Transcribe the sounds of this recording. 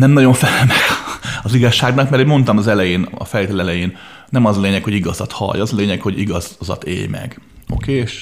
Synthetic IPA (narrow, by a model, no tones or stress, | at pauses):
nɛmnɒɟo̞ɱfɛlɛlmɛɡ̥ɒziɡɒʃːaːɡnɒkmɛroɟmo̞nt̪ɒmɒzɛlɛjeːnɒ̰fɛleːt̪ɛlɛlɛjeːn | nɛmɒzɒleːɲɛkho̞ɟiɡɒzɒt̪hɒ̰jɒzɒleːɲɛkho̞ɟiɡɒzzɒ̰t̪ḛːjmɛ̰ɡo̰keːʃ